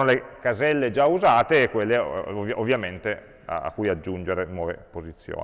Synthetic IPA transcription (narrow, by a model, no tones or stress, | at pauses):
nolekazɛlːed͡ʒauzaːt̪eːkːwelːevjʔovːjament̪e | aa̰kːujad͡ʒːund͡ʒeɾenwɔːvḛpozit̪sːjo̰ː